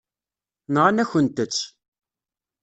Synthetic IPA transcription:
nʁanæçənt̪ət͡sː

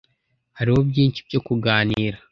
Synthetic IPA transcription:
haɾiwo̞bɟiːnʃib̚jo̞kuɡaːniiːɾa

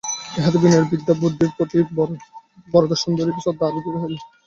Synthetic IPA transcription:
ɦat̪bineɾbid̪ːabɾud̪ʱːiɾpɾot̪i | bɔɾod̪ɔɾʃond̪olipisɔt̪̚d̪abik̪uɾeɦel

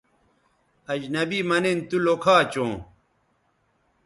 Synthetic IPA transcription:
ɐd͡ʑnɐbimɐnent̪ulokʰaːt͡ɕõː

